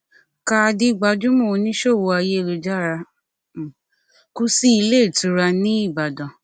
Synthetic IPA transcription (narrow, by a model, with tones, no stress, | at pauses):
ka˧di˦˨ɡ͡ba˧d͡ʒũ˦mo˦˨˧nĩ˦ʃo˦˨wo˧a˧je˦˨lu˧d͡ʒa˦˨ɾa˧˨ | ku˦si˦i˧le˦˨tũ˨˦ɾa˧nĩ˦i˦˨ba˨dã˨